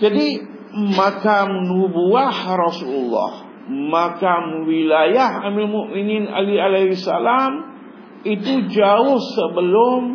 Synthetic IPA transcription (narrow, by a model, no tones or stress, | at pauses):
d͡ʒadi | makamnubuahrɔsululːɑ̰h | makamwilajaɦamilmuʔminina̰lialahisa̰lam | it̪ud͡ʒaʊhsəbəlʊm